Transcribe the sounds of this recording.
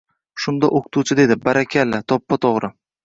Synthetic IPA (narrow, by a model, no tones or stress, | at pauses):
ʃʊnd̪aʔoqʰʊ̥t̪ʰut͡ʃʰɪd̪e̞d̪ɪbaɾakʲʰalat̪ʰɒpːat̪ʰoʁɾɪ